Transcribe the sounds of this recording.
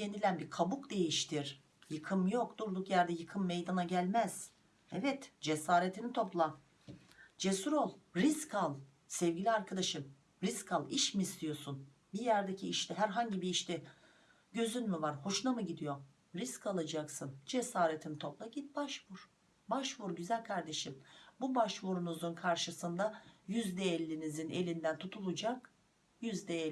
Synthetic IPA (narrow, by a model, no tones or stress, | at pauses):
ɟe̞nilʲænbiɾkʰabukd̪e̞jiʃt̪ʰiɾ̥ | jɯkʰɯmjo̞kd̪uɾd̪ukjæɾd̪ɛjɯkʰɯmːejd̪anaɟælʲmæz̥ | ɛvɛt̪d͡ʒesaːɾet̪ʰinit̪ʰo̞plˠa | d͡ʒesuɾo̞lˠɾiskʰalˠ | sɛvɟilʲiaɾkʰad̪aʃɯm | ɾiskʰalˠiʃmiːst̪ʰijo̞sun | bijæɾd̪ecʰiːʃt̪ʰɛɦæɾɦaɲɟibiːʃt̪ɛ | ɟø̞zynmivaɾho̞ʃlˠamɯɟid̪ijo̞ | ɾiskalˠad͡ʒaksɯnd͡ʒesaːɾet̪ʰint̪ʰo̞plˠaɟit̪̚baʃvuɾ̥ | baʃvuɾɟyzælʲkʰaɾd̪e̞ʃimbubaʃvuɾunuzunkʰaɾʃɯsɯnd̪ajyzd̪ɛɛlʲːinizinelʲind̪ænt̪ʰut̪ʰulˠud͡ʒak | jyzd̪ɛ